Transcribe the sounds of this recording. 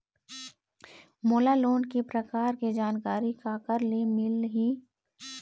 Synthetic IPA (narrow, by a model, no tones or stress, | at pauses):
moːlaloːnkepɾɐkaːɾked͡ʒaːnkaːɾikakəɾlemɪlɦiː